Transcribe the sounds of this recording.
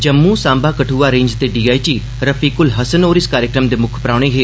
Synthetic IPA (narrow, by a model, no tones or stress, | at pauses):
d͡ʒɐmːũːsãːmbaːkəʈʰuːʋaːɾẽːɲd͡ʒt̪eɖiːaːiʈiː | ɾɐfiːkʊlɦɐsənoːɾiskaːɾjəkɾəmd̪eːmʊkʰpɾaːʋɽ̃eːɦeː